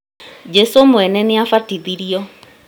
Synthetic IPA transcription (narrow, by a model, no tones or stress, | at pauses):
d͡ʒɛsomʊɛnɛniafatiðiɾiɔ